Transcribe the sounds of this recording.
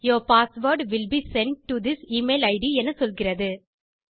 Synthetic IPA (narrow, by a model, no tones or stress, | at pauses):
joːpaːsʋoːɾɖʋɪlbisɛ̃ɳʈ̚ʈːud̪ɪsiːmeɪlɐɪɖiɛnːɐsɔlɣɪrɐðɯ